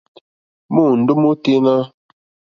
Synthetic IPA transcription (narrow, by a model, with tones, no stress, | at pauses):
mo˦˨n̩˨du˦mo˦te˦na˦